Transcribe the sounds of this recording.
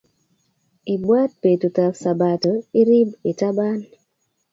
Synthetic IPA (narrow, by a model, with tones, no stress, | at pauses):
i˨bwa˦t̚pe˨tu˨ta˨ksa˨ba˨to˨i˦ɾi˦bi˨ta˦ba˦n